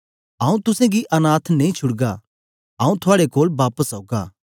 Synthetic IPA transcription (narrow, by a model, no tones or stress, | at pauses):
aːũt̪ʊsẽɡiʔɐnaːt̪ʰnɐĩt͡ʃʰʊɽɡa | aːũt̪ʰʊaːɽekoːlbaːpəsɦoːɡa̰ː